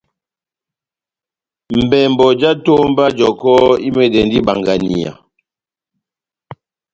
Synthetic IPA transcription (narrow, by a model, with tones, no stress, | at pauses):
m̩˨bɛ˨m̩˨bɔ˨d͡ʒa˦to˦m˦ba˦d͡ʒɔ˨kɔ˦i˦mɛ˨dɛ˨ndi˦ba˨ŋɡa˨ni˨a̰˨